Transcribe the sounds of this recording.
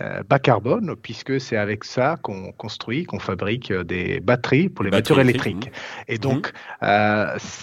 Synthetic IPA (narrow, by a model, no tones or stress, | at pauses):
ø̰bakaʁbɔnpɥiskəsɛt̪avɛksakɔ̃kɔ̃st̪χɥikɔ̃fabʁikød̪ḛbat̪χipuʁlemat̪yʁelɛkt̪χiked̪ɔ̃køs